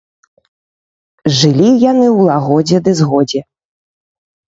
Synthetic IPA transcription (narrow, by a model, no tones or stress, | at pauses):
ʐɨlʲijanɨwlˠaɣɔd͡zʲɛd̪ɨzɣɔd͡zʲɛ